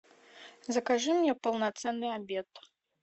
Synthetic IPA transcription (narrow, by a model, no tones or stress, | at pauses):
zɐkaʐɨmnʲɛpɐlˠnat̪sɛnːɨabʲɛt̪